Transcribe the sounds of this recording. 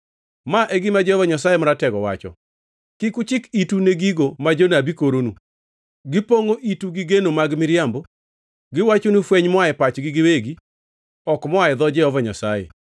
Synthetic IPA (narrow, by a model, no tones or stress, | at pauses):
maʔeɡɪmad͡ʒɛɔvɔɲasajemɔɾatɛɡɔwa̰t͡ʃɔ̰ | kɪkʊt͡ʃɪkituneɡiɡomad͡ʒonabikoɾonu | ɡɪpoŋoʔituɡɪɡenomaɡmɪɾjambo | ɡɪwat͡ʃonufwɛɲmwaɛpat͡ʃɡɪɡɪweɡi | ɔkmɔaɛd̪ɔd͡ʒɛɔvɔɲa̰sajḛ